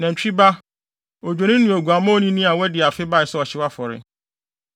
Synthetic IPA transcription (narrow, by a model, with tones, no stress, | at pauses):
nã˨ɲ̩˨t͡ɕᶣi˦ba˦ | o˨d͡ʑᶣo˨nɪ̃˦nũ˨æ˨ɡu˨a˨mã˦o˦nĩ˦nĩ˦a˨wɛ˦dɪ˨a˨fɪ˦ba˦ɪ˨sɛ˦ɔ˨ɕɪ˦wa˦fɔ˨ɾɪ̰˨